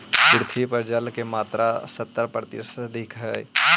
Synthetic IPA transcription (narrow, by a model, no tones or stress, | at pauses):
pɪɾt̪ʰipəɾd͡ʒəlkemaːt̪ɾʔasət̪ːəɾpɾət̪ḭsd̪ʱikʰɦə